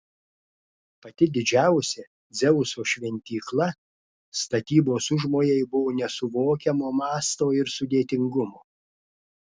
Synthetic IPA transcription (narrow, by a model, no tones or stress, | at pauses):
pɐt̪ʲɪd̪ʲɪd͡ʒʲæˑʊsʲɛ | d̪zʲɛʊsoːʃʲʋʲɛnʲt̪ʲiːklˠɐ | st̪ɐt̪ʲiːboːsʊʒmoːjɛɪbʊʋoːnʲɛsʊʋoːkʲɛmoːmɑːst̪oːɪɾsʊd̪ʲeːt̪ʲɪŋɡʊmoː